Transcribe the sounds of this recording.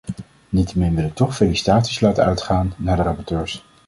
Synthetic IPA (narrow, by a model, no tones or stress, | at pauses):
nitəmɪnʋɪlɪk̚tɔχfelisi̥taːtislaːtəœɥtχaːnːaːɹdərɑpɔɹtøːɹs